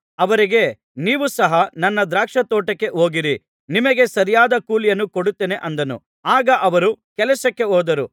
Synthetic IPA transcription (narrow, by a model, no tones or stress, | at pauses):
ɐʋɐɾiɡe̞ | niːʋusɐɦɐnɐnːɐd̪ɾaːkʂɐt̪oːʈɐkːe̞ʔɦoːɡiɾi | nimɐɡe̞sɐɾijaːd̪ɐkuːlijɐnːukoɽut̪ːeːne̞ʔɐnd̪ɐnṵ | aːɡɐʔɐʋɐɾukɛlɐsɐkːe̞ɦɔːd̪ɐɾu